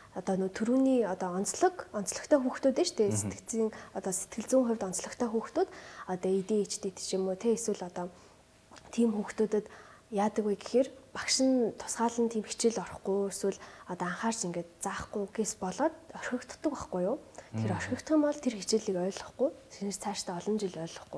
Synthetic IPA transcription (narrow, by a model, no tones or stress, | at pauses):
ɔt̪ɔnoːt̪ʰuɾuːniːɔt̪ɔɔnt͡sɮɞ̆kɔnt͡sɮɞ̆kt̪ʰæːxuːxt̪uːt̪eːt͡ɕt̪ʰese̥t̪ɡɘ̥̆t͡siːŋɔt̪ɔset̪ɡɘ̆ɮt͡suːŋχʊwʲt̪ɔnt͡sɮɞ̆kt̪ʰæːxuːxt̪uːt̪ɔt̪ɔit̪iːŋit͡ɕt̪it̪e̥t͡ɕimuːt̪ʰeeswɘ̆ɮɔt̪ɔː | t̪ʰiːmxuːxt̪uːt̪ə̆t̪ | jaːt̪ə̆ɣujɡe̥xeːrpakʃɪ̆nt̪ʰʊ̥sɢaːɮə̆nt̪ʰiːmxi̥t͡ɕɪ̆ɮɔr̆χɡʊjeswɘ̆ɮɔt̪ɔaɴχaːrt͡ɕiŋɡeːt̪t͡saːχɡʊɡespɔɮɔːt̪œr̥ʲxʲɞ̆kt̪̆ʰt̪ːə̆kaχɡujʊːt̪ʰeɾœr̥ʲxʲɞ̆kt̪χĭːmpɔɮt̪ʰerxit͡ɕĭɮiːkœːɮɞ̆χɡujt͡sʰenɘ̆rt͡sʰaːʃt̪æːɔɮɞ̆nt͡ɕiɮœːɮɞ̆χɡʊj